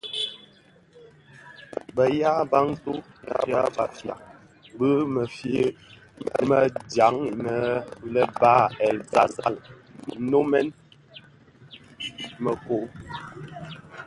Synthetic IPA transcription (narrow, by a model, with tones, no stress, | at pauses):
bə˨ja˦ba˦ŋtu˦ja̰˨ja˦ba̰˨fja̰˨ | bə˦mə˨f | mə̰˨mə˨dja˨˦ŋi˨mə˨˦lə˦baː˦˨ɛ˨lta̰˨za˦˨l | no˦mɛ˦n | mə˨ko˨˦